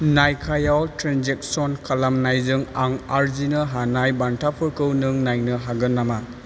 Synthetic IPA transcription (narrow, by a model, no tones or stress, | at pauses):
najkʰajawtɾanzek̚sɔnkʰalamnajzɯŋaŋaɾzinɯɦanajbantʰapʰɯɾkɯwnɯŋnajnɯɦaɡɯnːama